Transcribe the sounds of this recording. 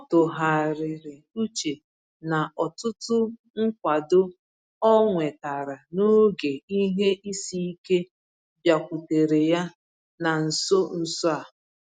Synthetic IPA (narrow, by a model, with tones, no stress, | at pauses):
ɔ˦tʊ˨ɦa˨ɾɪ˨ɾɪ˨ | u˦t͡ʃe˨ | na˨ʔɔ˨tʊ˦tʊ˦ | ŋ̩˦kʷa˨dʊ˦ | ɔ˦ŋʷe˨ta˨ɾa˨no˦ɡe˨i˦ɦe˦ʔi˦si˦i˦ke˦ | bja˨kʷu˨te˨ɾe˨ja˦ | na˨n̩˨so˦n̩˨sɔ˦a˨